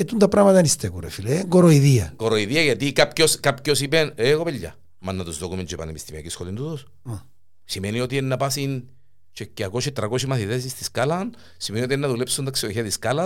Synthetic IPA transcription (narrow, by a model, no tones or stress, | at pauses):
et̪unt̪ɐpɾɐmɐt̪ɐnist̪ekuɾḛfileŋɡoɾoiðiɐɡoɾoiðiɐʝɐt̪ikapcoskapcosipeneɣopeʎːa̰ | manːɐt̪uzd̪okument͡ʃepɐ̰nepist̪imiɐkisxolind̪ut̪os | simenio̞t̪ienːɐpasin | t͡ʃecːeakoʃit̪ɾɐkosimɐθiðes̬ist̪iskalɐn | simenio̞t̪ienːɐðulepsunt̪ɐksiloçiɐt̪iskalɐ